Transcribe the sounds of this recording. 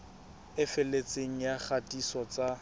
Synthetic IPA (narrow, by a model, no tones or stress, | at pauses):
ɪfɪlet͡sʼeŋ̩jaχʰatʼisɔt͡sa